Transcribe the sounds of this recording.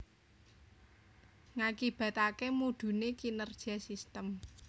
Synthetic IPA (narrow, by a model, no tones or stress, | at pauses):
ŋakib̥a̤t̪akemud̪̥ṳnekinərʒ̥iasist̪əm